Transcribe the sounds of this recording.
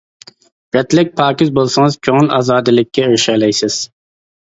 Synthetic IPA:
b̥ɛt̪lɪk̚ʲpʰɑːkʲɪzbolˠsɨŋɨz̥kʲʰøŋlɑ̰ːzɑːd̪ɨlˠɪkʲːɛøʃɛlɛjsɪz̥

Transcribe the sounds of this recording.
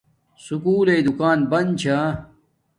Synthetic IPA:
sukuːlejd̪ukaːnbɐnt͡ɕʰa

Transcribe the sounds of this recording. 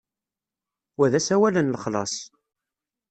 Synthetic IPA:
wæðæsæwælənləχlɑ̰sˤ

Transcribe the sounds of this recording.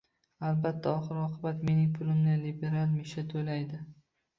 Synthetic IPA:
albat̪ʰːaɒχɨɾɒqʰɨbat̪me̞nɪŋpʰʊlɪmnɪlibe̞ɾalˠmeʃat̪ʰojlajd̪ɪ

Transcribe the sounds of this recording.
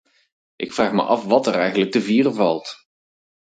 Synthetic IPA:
ʔɪkfraːχmə̰ʔɑfʋɑtərɛjχənlək̚dəviːrəvɑlˠt

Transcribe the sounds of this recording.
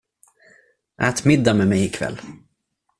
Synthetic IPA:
ʔæːt̪mɪd̪ːamɛmɛjɪkʰvɛ̰lː

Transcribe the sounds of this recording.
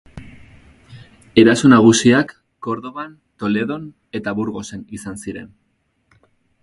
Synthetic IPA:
e̞ɾasunaɣ̞usiakː | o̞ɾðo̞βant̪o̞le̞ðo̞n | e̞t̪aβuɾɣo̞se̞nisansiɾe̞n

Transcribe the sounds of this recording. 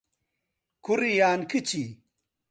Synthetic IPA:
kuɾijaːnkʰɨt͡ɕi

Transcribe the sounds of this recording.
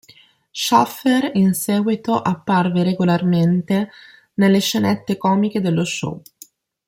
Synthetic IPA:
ʃɔfeɾinsɛːɡwit̪oʔapːarveɾeɡolarment̪e | nelːeʃenɛt̪ːekɔːmik̟ed̪elːoʃɔ̰

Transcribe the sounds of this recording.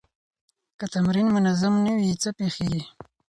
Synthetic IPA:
kət̪amɾinmʊnazamnawit͡səpexeɡi

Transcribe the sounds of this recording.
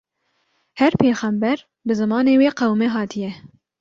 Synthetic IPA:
hɛɾpʰeːxɛmbɛɾ | bɨzɨmɑːneːweːqɛwmeɦɑːt̪ʰijɛ

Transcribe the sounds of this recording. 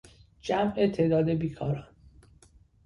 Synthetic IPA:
d͡ʒæmʔet̪ʰe̞d̪ɒːd̪e̞biːkʰɒːɾɒːn

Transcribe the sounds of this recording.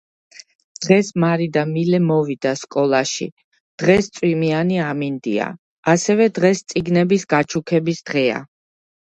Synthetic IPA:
d̪̥ʁɛsmaɾid̪amilɛmɔvid̪askʼɔlˠaʃḭ | d̪̥ʁɛst̪sʼwimianiamind̪ḭa̰ | asɛvɛd̪ʁɛst̪sʼiɡnɛbisɡat͡ʃʰukʰɛbisd̪̥ʁɛa̰

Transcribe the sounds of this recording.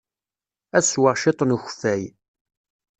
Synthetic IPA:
æswəʁʃet̪ˤnuçfæj

